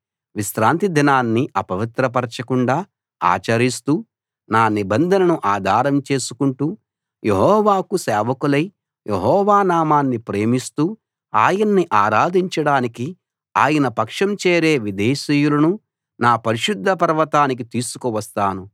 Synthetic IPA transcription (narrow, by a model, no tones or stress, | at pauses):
ʋisɾaːnt̪id̪ʱɐnaːnːiʔɐpɐʋit̪ɾɐp̬ɐɾt͡ʃɐkuɳɖaː | a̰ːt͡ʃɐɾist̪uː | naːnibɐnd̪ʱɐnɐnuʔaːd̪ʱaːɾɐmt͡ʃe̞ːsu̥kuɳʈuː | jeɦɔːʋaːkusɛːʋɐkulɐj | jʔeɦɔːʋaːnaːmaːnːipɾe̞ːmist̪uː | aːjɐnːiʔaːɾaːd̪ʱiɲt͡ʃɐɽaːniki | aːjɐnɐpɐkʂɐmt͡ʃeːɾe̞ːʋid̪eːʃiːjulɐnu | naːpɐɾiʃud̪ʱːɐpɐɾʋɐt̪aːnik̬it̪iːsu̥kuʋɐst̪aːnu